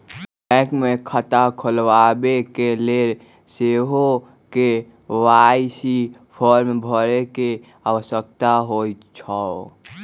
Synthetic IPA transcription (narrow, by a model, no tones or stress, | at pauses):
ɛ̃kmekʰət̪akʰəlwabekeleɾ | seɦo | ke | waisipʰəɾmebʱəɾeke | awəsək̚t̪aɦoj | t͡ʃʰɔ